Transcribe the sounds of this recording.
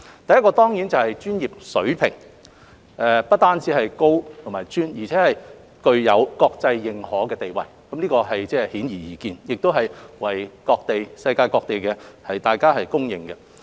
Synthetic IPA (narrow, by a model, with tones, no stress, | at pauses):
t̪ɐ˨jɐ˥t̚kɔː˧t̪ɔː˥ŋji˨˥nt͡sɐ˨whɐ˨jt͡ʃyː˥njiː˨p̚sɵ˨˥ɥpʰɪ̰˨˩ŋ | ʔɛ˧pɐ˥t̚t̪aː˥nt͡siː˨˥hɐ˨jko˥wt̪ʰmaː˨jt͡ʃyː˥njiː˨˩t͡sʰɛː˨˥hɐ˨j | kɵ˧ɥjɐ˨˧wkɔː˧k̚t͡sɐ˧jːɪ˨ŋhɔː˨˥kɛː˧t̪e˨jwɐ̰˨˩jkɐ˨˦mnliː˥kɔː˧ɦɐ˨jt͡sɛː˥hiː˨˥njiː˨˩jiː˨kiː˧njɪ˨k̚t̪o˥wɦɐ˨jwɐ˨˩jkɔː˧k̚t̪e˨jsɐ˧jkaː˧jkɔː˧k̚t̪e˨˩jkɛː˧hɐ˨jt̪aː˨˩jkaː˥ɦɐ˨jkʊ˥ŋjɪ̰˨ŋkɛ˧